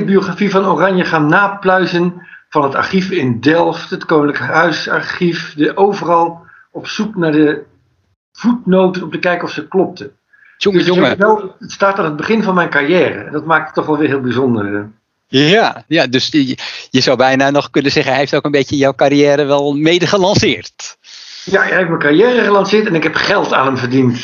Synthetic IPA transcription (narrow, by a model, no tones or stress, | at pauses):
bioχrafivɑnorɑnjəχaːnːaːplœɥzənvɑnəta̰ɹχifɪndɛlˠftətkownələkəɦœɥsa̰ɹχifdiʔowvərɑlˠ | ɔpsuknaːɹdə | v̥ut̚nowtəɔp̚təkɛjkɔfsəklɔp̚tə | oŋəsjoŋəɛlˠətstaːtaːnɦəd̚bəχɪnvɑnmɛjnkarjɛːrə̰ɛ̰ndɔtmaːk̚tə̥tːɔχʋɛlˠʋɪːɹɦɪːlˠbizɔndər | jajadøsjəz̥awbɛjnanɔχkɵnənzɛχənɦeftowkənbejtjəjawkarijɛːɾəʋɛlˠmejdəχəlɑnsɪːrt | jaheftmɛkarjɛːrəχəlɑnsɪːɹtɛnɪkɦɛpχɛlˠta̰ːnəmvərdint